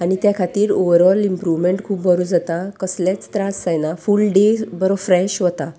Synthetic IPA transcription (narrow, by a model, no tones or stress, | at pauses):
anit̪jakʰat̪iːɾoʋəɾɔlimpɾuʋmeɳʈkʰuːpbəɾud͡zat̪akəslet͡st̪ɾãsːajnafulɖebəɾɔfɾɛɕɦɔt̪a